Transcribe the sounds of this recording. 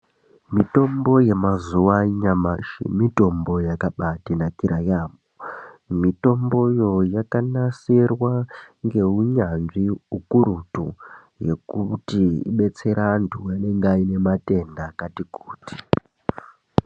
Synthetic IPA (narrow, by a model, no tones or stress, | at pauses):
mito̞mbo̞je̞mazuwaɲamaʃḛmito̞mbo̞jakaɓatinakiɾʔajaːmomito̞mbo̞jo̞jakanaserwaŋɡe̞uɲanʐiukuɾutu | je̞kutiḭɓe̞t͡se̞ɾantʰuwaneŋɡaine̞mate̞ndakatikuːti̥